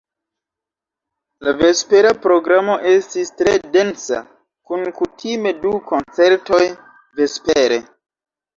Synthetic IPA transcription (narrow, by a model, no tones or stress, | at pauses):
lave̞spe̞ɾapɾo̞ɡɾamo̞ʔe̞stistɾede̞nsa̰ | kunkutʰime̞duko̞nt͡se̞ɾto̞j | ve̞speɾe̞